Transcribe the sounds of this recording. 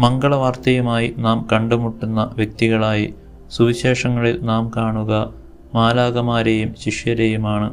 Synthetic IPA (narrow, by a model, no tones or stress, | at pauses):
mɐŋɡɐɭɐʋaːrt̪ɐjumaːjinaːmkɐɳɖumuʈːunːɐʋjɐk̚t̪iɣɐɭaːji | suʋiɕeːʂɐŋːɐɭilnaːmkaːɳuɣɐ | maːlaːɣɐmaːɾejumɕiʂjɐɾejumaːɳɨ